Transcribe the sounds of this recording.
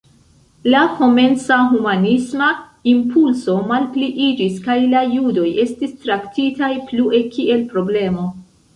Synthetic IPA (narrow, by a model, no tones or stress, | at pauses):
laho̞me̞nsaɦumanisma | impulso̞malpliʔid͡ʒiskajlajudo̞je̞stistɾaktitajplue̞kie̞lpɾo̞ble̞mo̞